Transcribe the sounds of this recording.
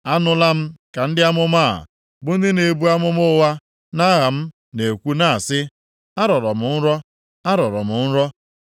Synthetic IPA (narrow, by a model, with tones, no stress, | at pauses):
a˦nʊ˦la˦m̩˦ka˨n̩˦dɪ˦a˦mʊ˦ma̰˦˨ | bʊ˦n̩˦dɪ˦ne˨bu˦a˦mʊ˦mʊ˦wa˦ | na˦ɣa˨m̩˦ | ne˨kʷu˦na˦a˨sɪ˦ | a˦ɾɔ˨ɾɔ˨mʊ˨n̩˦ɾɔ˦ | a˦ɾɔ˨ɾɔ̰˨mʊ˨n̩˦ɾɔ˦